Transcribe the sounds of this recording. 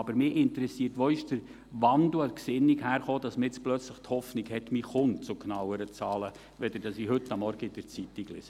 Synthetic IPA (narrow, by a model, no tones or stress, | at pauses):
ɑbəɾmɪːʔɪntəɾɛsiːɾtʋɔɪʃd̥əɾ | ʋɑnduəksɪnːiɡhæːɾχoːd̥ɑsməɪt͡splœt͡sləχthɔfniɡhɛtmiχʊnt͡sʊknɑwəɾət͡sɑːlə | ʋɛd̥̪əd̥ɑsihɵtːɑmːɔɾɡ̥əɪd̥əɾt͡sitiɡlɪ̰sə